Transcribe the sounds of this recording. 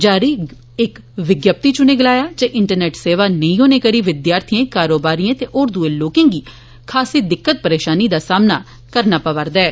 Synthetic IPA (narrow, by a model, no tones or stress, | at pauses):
d͡ʒaːɾiː | ɪkʋɪɡjəp̚t̪iːt͡ʃʊneːɡəlaːjaːd͡ʒeʔɪɳʈəɾnɛːʈseːʋaːnəĩɦoːneːkəɽiːʋɪd̪jaːɾt̪ʰiãkaːɾoːbaːɾijãːt̪eːʔoːɾd̪uːẽːloːkẽːŋɡiː | kʰaːsiːd̪ɪkːət̪̚pəɾeːʃaːniːd̪aːsaːmnaː | kəɾnaːpəʋəɾd̪aɛː